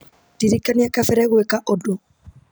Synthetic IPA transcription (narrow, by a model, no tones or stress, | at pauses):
tiɾikːaniakafɛɾɛɡuɛkaʔɔdɔ